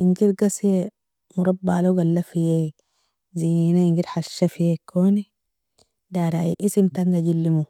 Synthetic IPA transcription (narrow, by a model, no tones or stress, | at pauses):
iŋɡiɾɡasije | muɾabːaːloɡalːafije | ziːnaiŋɡiɾħaʃːafijekʰːoːni | daɾaiʔisimt̪aŋɡaɟilːimu